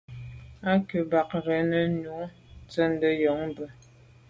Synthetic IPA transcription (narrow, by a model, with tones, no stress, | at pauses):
a˦kə˨ba˨k̚ɾə˨˦nə˨nu˨˦ | t͡sə˦n˦də˦jɔ˨˦ŋbə˨